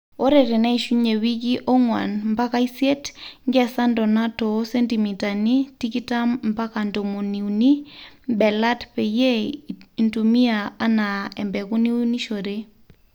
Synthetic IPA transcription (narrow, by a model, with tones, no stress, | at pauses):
o˦ɾɛ˨ɾɛ˨nɛ˦iʃu˦ɲe˨wi˦ki˦ʔɔ˦ŋwa̰˨nmba˦ka˦i˦sje˦tŋɡɛ˦sa˦ndɔ˨na˦tɔ˨˦se˦nti˨mi˨ta˨ni˦ti˦ki˦ta˦mmba˦ka˨ndo˨mo˨ni˨u˨ni˦bɛ˨la˦tpɛ˨je˦˨ntu˨mi˦a˨a˦na˨ɛ˨mbɛ˨ku˦ni˦ni˦ʃo˨ɾe˦